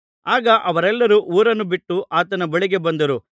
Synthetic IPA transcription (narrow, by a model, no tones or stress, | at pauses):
aːɡɐʔɐʋɐɾɛlːɐɾuʔuːɾɐnːubiʈːuʔaːt̪ɐnɐbɐɭiɡe̞bɐnd̪ɐɾu